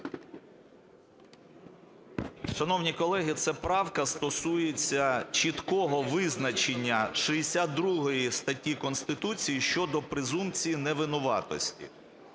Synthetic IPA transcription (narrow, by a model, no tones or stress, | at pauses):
ʃɐnɔwnʲikɔlˠɛɦit̪sɛpɾɑwkɐst̪ɔsujet͡sʲːɐt͡ʃit̪kɔɦɔʋɪznɐt͡ʃenʲːɐʃɪesʲad̪d̪ɾuɦɔjist̪ɐtʲːikɔnst̪ɪt̪ut͡sʲijiʃt͡ʃɔd̪ɔpɾɪzumt͡sʲijinɛʋɪnʊʋɑ̰t̪ɔ̰sʲtʲḭ